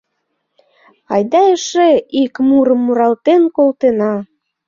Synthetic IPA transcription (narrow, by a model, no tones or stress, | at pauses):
ɑjd̪ɑeʃeikmuɾəmːuɾɑlt̪enkolt̪enɑ